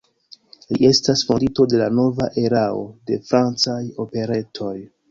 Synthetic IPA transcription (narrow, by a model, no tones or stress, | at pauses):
liʔe̞stasfondito̞de̞lano̞vaʔe̞ɾao̰de̞fɾant͡sajo̞pe̞ɾe̞tʰo̞j